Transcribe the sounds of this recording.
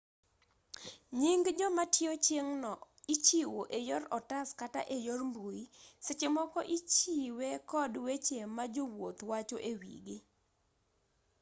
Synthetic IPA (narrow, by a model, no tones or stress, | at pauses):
ɲiŋɡd͡ʒɔmatjot͡ʃeŋnɔ | it͡ʃiwoʔejɔɾɔtaskata̰ʔejormbuisɪt͡ʃemɔkɔʔit͡ʃiwekɔdwet͡ʃemad͡ʒowot̪wat͡ʃoʔewḭɡɪ